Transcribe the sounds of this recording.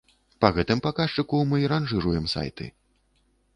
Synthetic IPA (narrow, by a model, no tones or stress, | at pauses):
paɣɛt̪ɨmpakaʂt͡ʂɨkumɨɾanʐɨɾujɛmsa̰jt̪ɨ̰